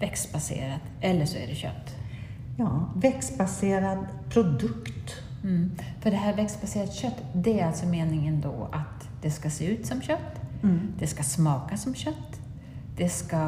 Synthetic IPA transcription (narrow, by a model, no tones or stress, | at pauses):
vɛksbasḛːɾat̪ | ɛlːəʂɔæ̰ɖɛɕœ̰t̪ː | jɑːvɛksbaseːɾad̪ | pʰɾʊd̪ɵkt̪̩ː | fœɖɛɦæːɾvɛksbaseːɾat̪ɕœt̪ːd̪ɛæɾalt̪sɔmeːnɪŋənd̪ɔ̰ʔa̰t̪ | d̪̥ɛskaseːʉ̟ːt̪sɔmɕœt̪ːd̪̥ɛskasmɑːkasɔmɕœt̪ː | d̪̥ɛska